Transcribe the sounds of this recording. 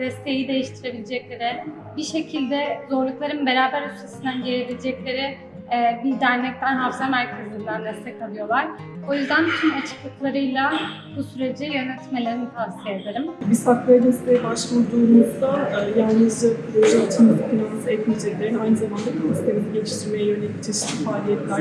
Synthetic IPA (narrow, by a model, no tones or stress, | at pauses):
d̪ɛst̪ʰe̞jid̪e̞jiʃt̪ʰiɾe̞bilʲed͡ʒɛclʲe̞ɾɪ | biʃe̞cʰilʲd̪ɛzo̞ɾlˠuklˠaɾɯnbe̞ɾaːbæɾysʰesind̪ænɟeɾebilʲed͡ʒɛclʲe̞ɾɪː | bid̪æɾnɛc̚t̪ʰænɦafzamæɾcʰezynd̪ænd̪ɛst̪ɛkʰalˠɯjo̞lˠaɾ̥ | o̞jyzd̪ænt̪ʰymat͡ʃʰɯ̥klˠɯklˠaɾɯjlˠa | busyɾe̞d͡ʒijø̞nɛt̪me̞lʲe̞ɾinit̪ʰahsijed̪aɾɯmbisakvajd̪inst̪ɛbaʃmud̪umuzd̪ajaɾnɯzd͡ʒɛpʰiɾed͡ʒaat͡ʃʰɯnakʰinanɯzɛt̪mʲid͡ʒɛclʲe̞ɾinajnɯzamand̪abisist̪ʰe̞minɛɟelʲiʃt̪ʰiɾmejɛjø̞nelʲict͡ʃʰeʃi̥mfaːlʲijɛt̪lʲæɾ